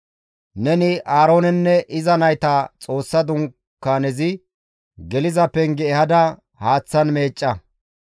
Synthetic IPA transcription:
nɛnɪʔaːɾo̞ːnɛnːɛʔɪzɐnɐjt̪ɐt͡sʼo̞ːsːɐd̪ʊŋ | kːaːnɛzɪ | ɡɛlɪzɐpɛŋɡɛɛhɐd̪ɐ | haːt͡sːɐnme̞ːt͡ʃʼːɐ

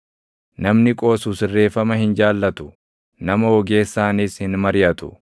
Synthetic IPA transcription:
nɐmnɪkʼo̞ːsuːsɪrːe̞ːfɐmɐhɪnd͡ʒaːlːɐt̪ʊ̥ | nɐmɐwɔɡe̞ːsːaːnɪshɪnmɐɾɪjɐt̪ʊ

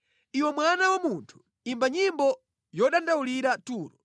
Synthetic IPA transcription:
iwɔmwanawamuntʰu̥ | imbaɲimbɔ | jɔɗandauliɾatuːɾɔ

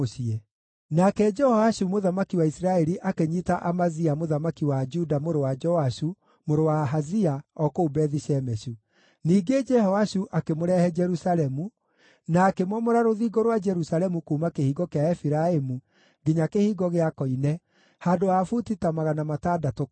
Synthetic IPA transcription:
oʃiɛ | nakɛd͡ʒɛhɔaʃumoðamakiwaisɾaɛɾiʔakeɲitaʔamaziamoðamakiwad͡ʒudamoɾowad͡ʒɔaʃu | moɾowaɦaziaɔkoːbɛðiʃɛmɛʃu | niːɡed͡ʒɛhɔwaɕuʔakemoɾɛhɛd͡ʒɛɾusalɛmu | naːkemwɔmɔɾaɾoðiːɡɔɾwad͡ʒɛɾusalɛmukuːmakehiːɣɔkeaɛfiɾaemu | ɡiɲakehiːɡɔɣeakɔinɛ | handoafutitamaɣanamataːdato

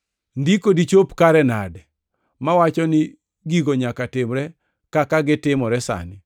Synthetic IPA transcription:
ndikodit͡ʃopkaɾɛna̰dɛ | mawat͡ʃɔnɪ | ɡiɡoɲakatɪmɾɛ | kakaɡɪtɪmɔɾɛsa̰nɪ

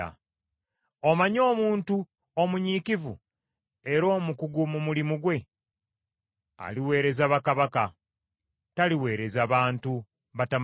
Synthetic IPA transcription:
a̰ | o̞maɲo̞ːmuːntu | o̞muɲikivṵ | e̞ɾo̞ːmukuɡumumulimuɡwe̞ | a̰liwe̞ːɾe̞zaβakaβaka | taliwe̞ːɾe̞zaβaːntu | βatam

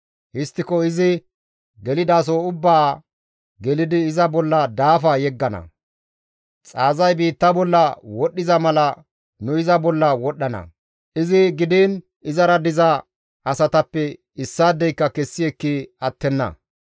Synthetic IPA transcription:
hɪst̪ːɪkɔɪzɪ | ɡɛlɪd̪aːs̬oːʊbːaː | ɡɛlɪd̪ɪːzɐbɔlːɐd̪aːfɐjɛɡːɐnɐ̰ | t͡sʼaːzɐjbiːt̪ːɐbɔlːɐwɔɗːɪzɐmɐlɐ | nʊɪzɐbɔlːɐwɔɗːɐnɐ̰ | ʔɪzɪɡɪd̪iːn | ɪzɐɾɐd̪ɪzɐ | ɐsɐt̪ɐpːɛ | ɪsːaːd̪ːɛjkːɐkɛsːɪɛkːɪɐt̪ːɛnːɐ̰

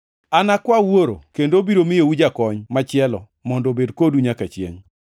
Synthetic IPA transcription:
anakwawoɾo̰kendobiɾomɪjeud͡ʒakɔɲmat͡ʃɪɛlɔ̰ | mɔndɔbedkoduɲakat͡ʃjḛŋ

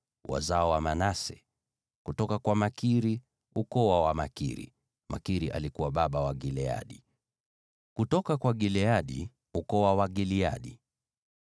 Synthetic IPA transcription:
wa̰zaɔwamanasɛ̰ | kutɔkakwamakiɾi | ukɔwawamakḭɾḭ | mʔa̰kiɾiʔa̰likuwaɓaɓawaɡilɛa̰ɗi | kutɔkakwaɡilɛaɗḭ | ukɔwawaɡilia̰ɗi

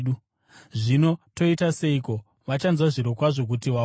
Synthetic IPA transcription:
u | ʐino̞to̞itase̞iko̞ | ʋat͡ʃanzwaʐiɾokwaʐo̞k̬utiʋa

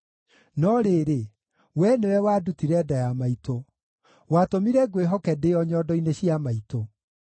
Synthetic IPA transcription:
nɔɾeːɾe | wɛnewɛwaːdutiɾɛdajamaito | watomiɾɛɡweɦɔkɛdeɔɲɔdɔineɕiamaito

